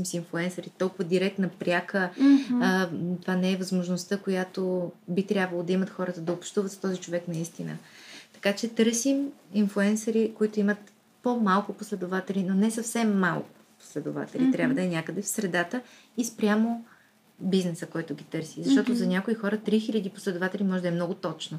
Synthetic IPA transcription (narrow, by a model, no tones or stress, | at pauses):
simsinflˠuɛnsɐɾit̪ɔlˠkʊvəd̪iɾɛk̚t̪nəpɾʲakə | t̪ovanɛːvɐzmoʒnost̪əkojat̪obit̪ɾʲjabvɐlˠod̪ɐimət̪xɔɾət̪əd̪ɐopʃt̪uvət̪zɐ̥t̪ɔzit͡ʃovɛknɐist̪inə̰t̪ɐ̥kat͡ʃɛt̪ɤɾsiminflˠuɛnsɐɾikoit̪ʊimət̪ | pomalˠkʊposlɛd̪ovat̪ɛlʲinonɛsɐfsɛmːalˠkʊ̥po̥slɛd̪o̰va̰t̪ɛlʲit̪ɾʲabvəd̪ɐɛnʲakəd̪ɛfsɾɛd̪at̪ə | ispɾʲjamo | biznɛsəkɔjt̪ʊɡʲit̪ɤɾsizɐʃt̪ɔt̪ʊzɐnʲakoixɔɾət̪ɾixilʲəd̪ipo̥slɛd̪ʊvat̪ɛlʲimɔʒɛd̪ɐɛmnɔɡʊt̪ɔt͡ʃno